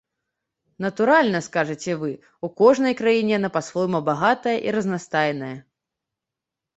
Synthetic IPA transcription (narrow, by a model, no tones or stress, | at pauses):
nɐt̪uɾalʲnɐskaʐɨt͡sʲɛvɨ | ukɔʐnɐjkɾajinʲɛnɐpasvɔjmɐbaɣat̪ɐjɐʔiɾɐznast̪ajɛnɐjɐ